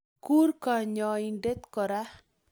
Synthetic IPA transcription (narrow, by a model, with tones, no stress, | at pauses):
ku˦ɾka˨ɲɔ˨inɖe˦t̪kɔ˨ɾa˦